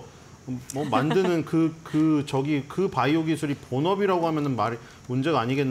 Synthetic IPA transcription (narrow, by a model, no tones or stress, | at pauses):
mʌmandɯnɯnkɯkɯt͡ɕʌɡikɯpaioɡisʰuɾiponʌbiɾaɡoɦamjʌnɯnmaɾ | mund͡ʑe̞ɡaːɲiɡe̞nː